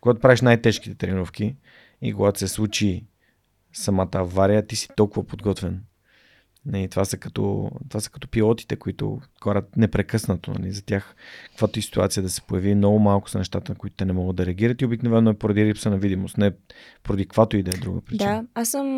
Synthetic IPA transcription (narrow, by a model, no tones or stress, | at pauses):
koɡat̪opɾaviʃnajt̪ɛʃkit̪ɛt̪ɾɛniɾɔfkʲi | ḭkoɡat̪ʊ̥sɛslˠut͡ʃi | sɐmat̪əːvaɾijət̪isi̥t̪ɔlˠkʊvɐpod̪ɡɔt̪vɛn | nɐlit̪ovasɐkɐt̪ɔ̰t̪ovasə̥kɐ̥t̪ɔ̥pilˠɔt̪i̥t̪ɛkoit̪ʊ̰kaɾʲət̪̚nɛpɾɛkɤsnət̪onɐ̰lizɐt̪ʲjaxkkvat̪oisi̥t̪ua̰t̪sijəd̪ɐsɛ̥pojɐvimnɔɡʊmalˠkʊ̥sɐnɛʃt̪at̪ənkoʊit̪ʊt̪ɛnɛmɔɡətd̪ɐɾɛɐɡiɾət̪iobiknovɛnːoɛpoɾɐd̪iɾipsənɐvid̪imost̪nɛ | poɾɐd̪ikvat̪oid̪ɐɛd̪ɾuɡə̰pɾit͡ʃaasəm